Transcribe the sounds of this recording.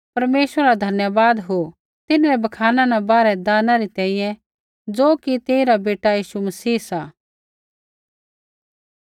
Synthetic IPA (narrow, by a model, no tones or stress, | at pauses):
pɐɾmeːsɾɾad̪ʱɐnjəbaːd̪ɦo | t̪ɪnaɾɛbɐkʰaːnãnɛ̃baːɾɛd̪aːnãɾit̪ɛ̃ːĩjɛ̃ | d͡zoːkit̪eːiɾabeːʈajiːʃumɐsiːsaː